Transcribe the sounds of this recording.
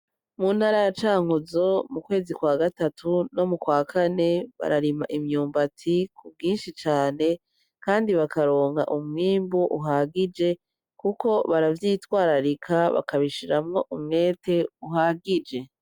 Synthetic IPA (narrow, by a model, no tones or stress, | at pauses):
mun̥haɾajat͡ʃaːŋuzo̞mukwe̞ːzikwaːɡatatʰuno̞mukwaːkʰane̞βa̰ɾaɾimaʔimɲuːmbatʰikub̚ɡiːnʃit͡ʃaːne̞ | kaːndiβakaɾo̞ːŋɡa̰ʔumŋiːmbuʔuɦaɡid͡ʒe̞ | kuko̞βaɾavjiːtwaːɾaɾikʰaβa̰kaβiʃiɾamŋoʔumŋe̞ːtʰe̞uɦaɡid͡ʒe̞